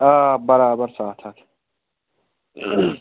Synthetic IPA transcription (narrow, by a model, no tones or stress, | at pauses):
aːbɐɾaːbɐɾsaːt̪ʰɐt̪